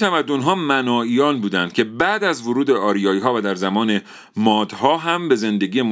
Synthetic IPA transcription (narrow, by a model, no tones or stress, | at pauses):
æmæd̪ːo̞nɦɒːmænɒːiːjɒːnbuːd̪ænd̪̚cʰe̞bæʔd̪æzvoɾuːd̪e̞ʔɒːɾijɒːiːɦɒːvæd̪æɾzæmɒːne | mɒːd̪̥hɒːɦæmbe̞ze̞nd̪e̞ɡiːjem